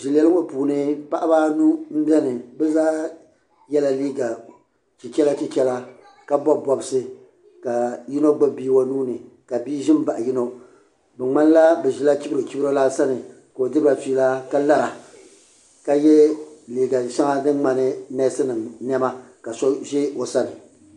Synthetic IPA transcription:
ʒi˨lɛ˦lɨ˦ŋo˦puː˨nɨ˦pa˦ʔa˦ba˦nu˦m̩˦bɛ˦nɨ˨bɛ˦zaː˦ | jɛ˦la˨liː˦ɡa˨ | t͡ʃi˨t͡ʃɛ˦la˦t͡ʃi˦t͡ʃɛ˦la˦ | ka˦bɔ˦bbɔ˨bɨ˨sɨ˦ | ka˨ji˦no˦ɡ͡ba˦biː˦wa˦nuː˦nɨ˨ | ka˨biː˦ʒɪ˦m˦ba˨ʔji˦no˦ | bɛ˨ŋ͡ma˦n˦la˦bɛ˨ʒɪ˦la˦t͡ʃi˦bɾɨ˨t͡ʃi˦bɾo˦la˦sa˦nɨ˨ | ka˨o˨dɨ˦ɾba˨tiː˦la˦ka˦la˦ɾa˨ | ka˦jɛ˦liː˨ɡa˨ʃa˦ŋa˦dɨ˦ŋŋ͡ma˨nɨ˦nɛ˦sɨ˦nɨ˨mn˦ɛ˦ma˦ka˨sɔ˦ʒɪ˦o˨sa˦nɨ˨

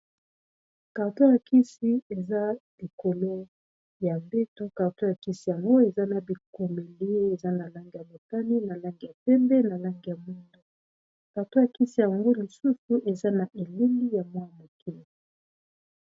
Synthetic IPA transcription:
ka˨to˦ja˨kʰi˦si˦e˨za˦li˨ko˨lo˦ | ja˨mbe˦tu˦ka˨to˦ja˨ki˦si˨ja˨ŋɡo˦e˨za˦na˨bi˨ko˨me˨li˦e˨za˦na˨la˦ŋɡi˨ja˨mo˨ta˦ni˦na˨la˦ŋɡi˨ja˨pɛ˦mbɛ˦na˨la˦ŋɡi˨ja˨mu˦ndu˦ | ka˨to˦ja˨ki˦si˨ja˨ŋɡo˦li˨su˦su˦ʔe˨za˦na˨ʔe˨li˦ŋi˦ja˨mwa˦˨mo˨ki˦lo˨

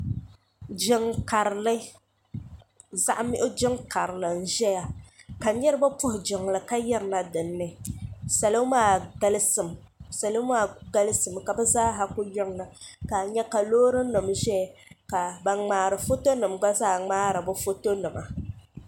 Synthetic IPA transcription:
d͡ʒɪ˦ŋka˨ɾlɨ˦ | za˦ʔmɪ˦ʔʊ˦d͡ʒɪ˦ŋka˨ɾɨ˨lɨ˨n̩˨ʒɛ˦ja˦ka˨˦ɲɛ˦ɾɨ˦ba˦pʊ˦hʊ˨d͡ʒɪ˨ŋ˨lɨ˨ka˦jɛ˦ɾɨ˨na˦dɨ˨nːɨ˦sa˨lo˦maː˦˨ɡa˦lɨ˦sɨ˨m˨ | sa˨lo˦maː˦˨ɡa˦lɨ˦sɨ˨mka˨bɛ˦zaː˦ɦa˦kʊ˦jɪ˦ŋ˨na˨ka˨ɲɛ˦ka˨loː˦ɾɨ˦nɨ˨mʒɛ˦˨ka˨ba˨ŋ͡maː˨ɾɨ˨fo˦to˦nɨ˨mɡ͡ba˦zaː˦˨ŋ͡maː˦ɾɨ˨bʊ˦fo˦to˦nɨ˨ma̰˨

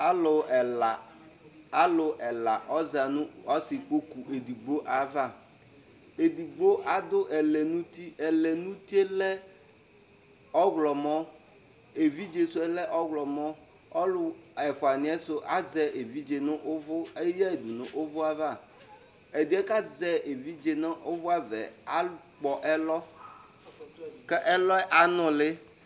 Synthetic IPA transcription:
a˦lʊ˨ | a˨˦lʊ˨ʔɛ˨la˨ʔɔ˦za˨nʊ̃˦ɔ˦sɪ˨k͡po˦ku˨ʔe˨di˨ɡ͡bo˦ʔa˨va˦˨ | e˨d̪i˨ɡ͡bo˦ʔa˨d̪ʊ˦ʔɛ˨lɛ˨nũ˦t̪i˦ɛ˨lɛ˨nũ˦t̪i˦e˦lɛ˦ | ɔ˦ɣlɔ˨mɔ˦ | e˨vi˦d͡ʒe˨su˦ɛ˨lɛ˦ʔɔ˦ɣlɔ˨mɔ˦ | ɔ˦lʊ˨ɛ˨fo˨a˨nĩ˨ɛ˦so˦ʔa˦zɛ˦ʔe˨vi˦d͡ʒe˨nɔ̃˦ʔo˦vo˦e˦jɛ˦e˨d̪u˨nṵ̃˨ʔo˦vo˦a˨va˨ | e˨d̪i˨˦ɛ˦ka˦zɛ˦e˨vi˦d͡ʒe˨nã˦ʔo˦vo˦a˨vɛ̰˨a˦k͡pɔ˨ʔɛ˦lɔ˦ | kɛ˦ʔɛ˦lɔ˦ɛ˦ʔa˨nɔ̃˨le˦

